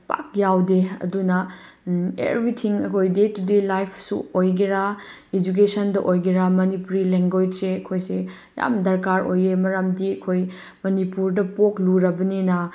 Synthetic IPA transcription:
pa̰k̚jawdeɐ̰dunɐ | ḛbɾitʰiŋɐkʰojdetudilajpʰsṵojɡiɾaed͡ʒuk̬esɐndɐʔojɡiɾamɐnipuɾileŋɡojseɐkʰojse | ja̰mdɐɾkaɾo̰jemɐɾamdiɐkʰoj | mɐnipuɾdɐpokluɾɐbɐninɐ

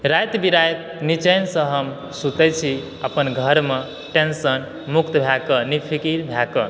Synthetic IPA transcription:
ɾajt̪biɾajt̪̚ | nit͡ʃəjnsə̃ɦəm | sut̪ɛt͡ʃʰi | əpənɡʱəɾme | ʈensən | mukt̪bʱjakənipʰikiɾbʱjakə

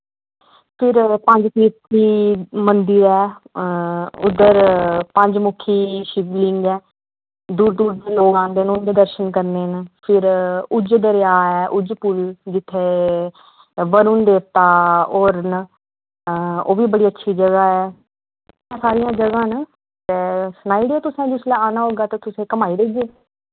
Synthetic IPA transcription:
pʰɪɾpə̃ɲd͡ʒt̪iːt̪ʰiːmənd̪ɪɾɛː | ʊ̰d̪əɾpəɲd͡ʒmʊkʰːiːʃɪʋlɪŋɡɛː | d̪uːɾd̪uːɾd̪eːloːɡãːnd̪eːnũːnd̪eːd̪əɾʃənkəɾneːnpʰɪɾʊd͡ʒd̪əɾɪjaːɛːʔʊd͡ʒpʊld͡ʒɪt̪ʰːeː | ʋəɾund̪eːpt̪aːoːɾn | oːʋiːbəɽiːətːʃʰiːd͡ʒəɡaːɛ̃ː | saːɾɪjãːd͡ʒəɡãːn | t̪eːsʊnaːiːɽiɛːt̪ʊsẽːd͡ʒɪslɛ̃ːaːnãːɦoːɡaːt̪aːt̪ʊsẽːkəmaːiːɾeːd͡ʒeː

